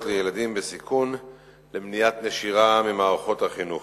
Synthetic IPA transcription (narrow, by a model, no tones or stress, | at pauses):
tlejeladimbesikʰun | lemnijat̪neʃiʁamimaːʁaχo̞t̪haχinu